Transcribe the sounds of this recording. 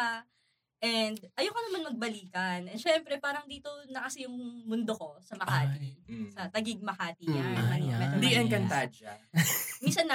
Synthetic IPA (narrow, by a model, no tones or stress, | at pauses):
a | ʔɛnd̪ʔɐjokɐnɐmanmɐɡ̚bɐliːkɐnʔɛnʃɛmpɾɛpaːɾɐŋd̪iːt̪o̞nɐkɐsɪjʊŋmʊnd̪oko̞sɐmɐkaːt̪isɐt̪ɐɡiɡ̚mɐkaːt̪ijɐnmɐɐmɛd̪iɐŋkɐnt̪ad͡ʒɐminsɐnːɐ